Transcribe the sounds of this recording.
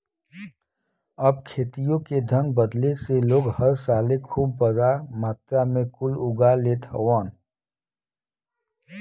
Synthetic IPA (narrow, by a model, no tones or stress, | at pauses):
əb̚kʰeːt̪ijõkeɖʱə̃ŋɡ̚bəd̪leseloːɡhəɾsaːlekʰuːbːəzamaːt̪ɾamẽkʊlʊɡalet̪ʰə̰waːn